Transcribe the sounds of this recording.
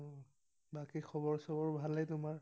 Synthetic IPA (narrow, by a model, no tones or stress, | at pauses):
bakixʰɔbɔɹsɔbɔɹbʱalɛtʊmaɹ